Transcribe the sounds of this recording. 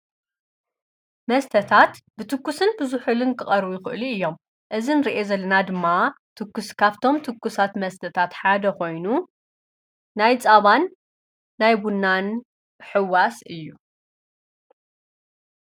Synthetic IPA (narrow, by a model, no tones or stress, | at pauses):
mɐst̪ʰɐt̪ʰat̪bɨt̪ʰɨkːusɨnbɨzuħulɨnkʰɨχʼɐɾbujɪxɨ̰ʔliɨjːo̞m | ʔɨzinɨɾiʔezɐlːɐnad̪ɨmːat̪ʰɨkːuskʰaβt̪ʰo̞mt̪ʰɨkːusat̪mɐst̪ʰɐt̪ʰat̪ħad̪ɐkʰo̞jnu | najt͡sʼaβanː | ajbunːan | ħɨwːasɨjːu